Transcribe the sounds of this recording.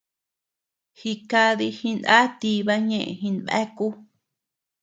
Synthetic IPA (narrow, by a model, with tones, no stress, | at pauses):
hi˧ka˧ði˧hĩ˧na̰˦t̪i˧βa˦ɲẽ˦˨ʔḛ̃˨hĩ˧nβḛ˦ku˦